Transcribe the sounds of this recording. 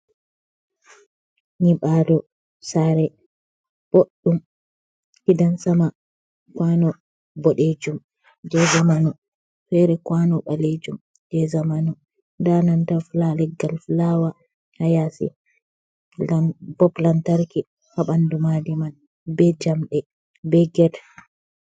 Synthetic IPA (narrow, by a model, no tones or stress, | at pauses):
ɲiɓadɔ | saɾɛ | b̥oɗːum | hidansama | kwanɔ | bɔɗed͡ʒum | d͡ʒɛzamanɔ | fɛɾɛkwanɔɓaled͡ʒum | d͡ʒɛzamanɔ | danantaflalɛɡːalflawa | hajasḭ | bɔplantaɾki | haɓandumadiman | bɛd͡ʒamɗɛ | bɛɡɛt